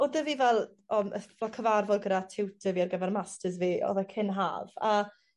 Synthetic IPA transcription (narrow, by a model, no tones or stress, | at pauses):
ɔdəviːvɛlˠ | ɔməvɛlˠkʰəvarvɔɡəɾatʰɪwtʰəviːarɡəvɛrmastʰəzviːɔ̰ðɛkʰɪnɦa̰ːva